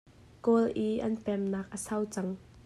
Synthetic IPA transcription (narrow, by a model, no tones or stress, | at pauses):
kolʔiʔɐnpɛmnaːk̚ʔəsɐwt͡sɐŋ